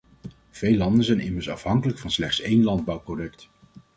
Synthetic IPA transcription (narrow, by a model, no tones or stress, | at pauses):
v̥ejlɑndənzɛjnɪməɹsɑ̰fɦɑŋkələkfɑnslɛχtsejnlɑnd̚bɑwprojɛkt